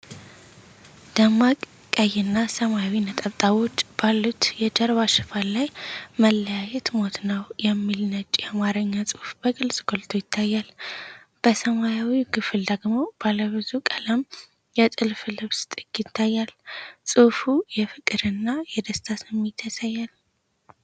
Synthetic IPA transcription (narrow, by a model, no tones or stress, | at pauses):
d̪̥əmːakʼ | kʼəjːɪnːasəmajawinət̪ʼaβt̪ʼawo̞t͡ʃːb̥alːut̪jɛd͡ʒəɾβaʃɨfallːajməlːəjajɛt̪mot̪nəwjɛmːilnət͡ʃʼijamaɾəɲːasʼɨhfb̥əkʼɨlsʼɡo̞lt̪ʰo̞jɪt̪ʰːajːal | b̥əsəmajawiɡɨfɨld̪əɡmob̥aləβɨzukʼələm | jɛt̪ʼɨlflɨβst̪ʼɨɡɪt̪ʰːajːalsʼɨfujɛfɨkʼɨɾɨnːajɛd̪əst̪ʰasɨmːet̪ʰəsajːal